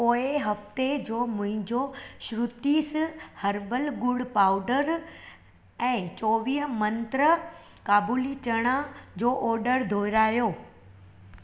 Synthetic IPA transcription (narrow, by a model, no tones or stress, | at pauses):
poːeɦɐft̪ed͡ʑoːmʊ̃ɦɪ̃ɲd͡ʑoʃɾʊt̪ishɐɾbəlɡʊɽpaːʊɖəɾ | ɛ̃ːt͡ɕɔːʋiːɦəmɐ̃nt̪ɾə | kaːbuːlit͡ɕɐɽ̃ad͡ʑoːʔɔːɾɖəɾd̪ʱoːɾaːjoː